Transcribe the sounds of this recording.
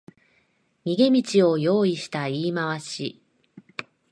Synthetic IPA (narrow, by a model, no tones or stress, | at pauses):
ɲʲiɡe̞mʲit͡ɕio̞jo̞ːiɕi̥t̪aiːmaβaɕi